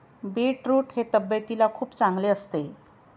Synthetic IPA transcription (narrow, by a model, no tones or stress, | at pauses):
beʈɾuʈhet̪əbjət̪ilakʰuːpt͡sãŋɡleəst̪e